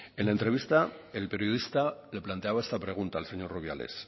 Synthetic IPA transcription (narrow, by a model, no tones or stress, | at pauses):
e̞nlaent̪ɾe̞βist̪aelpe̞ɾjoðist̪ale̞plant̪e̞aβaest̪apɾe̞ɣ̞unt̪aːlseɲo̞rruβ̞ja̰le̞̰s